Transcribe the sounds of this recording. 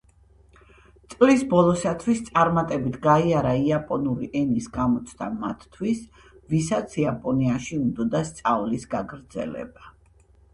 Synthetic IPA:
t̪sʼlisbɔlˠɔsat̪ʰwist̪sʼaɾmat̪ʼɛbit̪ʰɡaiaɾaiapʼɔnuɾiʔɛnisɡamɔt̪sʰd̪a̰ma̰t̪ːʰwis | visat̪sʰiapʼɔniaʃiund̪ɔd̪ast̪sʼavlisɡaɡɾd̪zɛ̰lɛ̰ba

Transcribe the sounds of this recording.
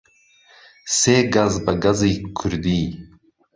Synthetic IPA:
seːɡazbɐɡɐzikʰuɾd̪iː

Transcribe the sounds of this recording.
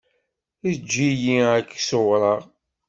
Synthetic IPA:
id͡ʒːijiækːsowɾˤəʁ

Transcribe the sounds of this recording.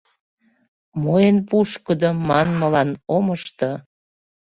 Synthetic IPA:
moenpuʃkəd̪omɑnməlɑnoməʃt̪ə

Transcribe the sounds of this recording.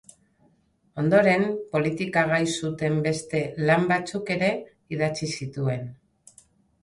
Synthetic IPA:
o̞nd̪o̞ɾe̞mpo̞lit̪ikaɣ̞ajsut̪e̞mbe̞st̪e̞lambat͡suke̞ɾe̞ | iðat͡sisit̪ue̞n

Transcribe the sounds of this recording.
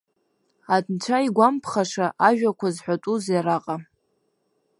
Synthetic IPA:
adʰʼnt͡ʃʷʰaiɡʷampʰχaʂaʔaʒᶣakʷʰazħʷᶣatʼuzjaɾaqʼa

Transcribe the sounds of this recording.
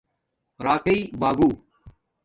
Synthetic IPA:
ɾaːkəiːbaːɡuː

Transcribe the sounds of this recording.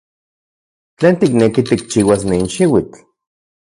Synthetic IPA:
t͡ɬeːnt̪iknekit̪ik̚t͡ʃiwasninʃiwit͡ɬ

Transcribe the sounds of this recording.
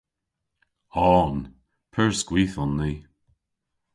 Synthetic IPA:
ɔːn | pʰəɹsɡ̥wiːθɔnːi

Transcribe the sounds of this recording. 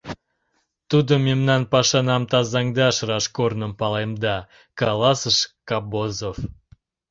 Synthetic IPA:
t̪ud̪əmemnɑnpɑʃɑnɑmt̪ɑzɑŋd̪ɑʃrɑʃkornəmpɑlˠɑjmd̪ɑ | kɑlˠɑsəʃkɑbozof

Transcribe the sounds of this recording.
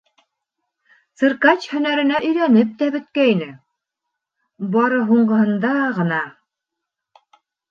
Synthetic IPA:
sɤ̆ɾkɑt͡ɕhɵ̆næɾɘ̆næʔɵ̆jɾænɘp̚t̪æbɵ̆t̪̚kæinɘ | bɑɾɤɦuɴɢɤ̆hɤ̆nd̪ɑʁɤ̆nɑ

